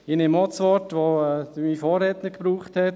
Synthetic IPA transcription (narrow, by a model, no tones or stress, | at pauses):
ɪnemɔt͡sʋɔtʋomifɔːɾɛːtnəkpɾuːχthɛt